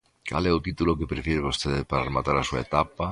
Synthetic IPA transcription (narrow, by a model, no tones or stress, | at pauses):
kʰa̰leot̪it̪ulokepɾefjeɾeβost̪eðpaɾaremat̪aɾasuḛt̪apa